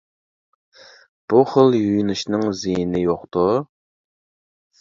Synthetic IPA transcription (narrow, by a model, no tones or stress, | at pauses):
b̥uχəlˠjyjnɪʃnɪŋzijinɪjoqt̪ʊ